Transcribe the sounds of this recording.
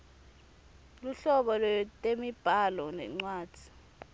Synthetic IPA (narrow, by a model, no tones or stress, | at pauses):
luɬɔɓɔlwɛtʼemib̥ʱalɔnɛ̰ŋ͡ǀwaːd̥d̥ʱi̥